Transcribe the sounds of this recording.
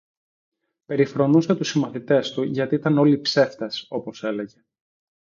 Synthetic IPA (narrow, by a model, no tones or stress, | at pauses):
pe̞ɾifɾo̞nuset̪usimɐθit̪e̞st̪uʝɐt̪iit̪ɐno̞lipse̞ft̪ɐso̞po̞se̞le̞ʝe̞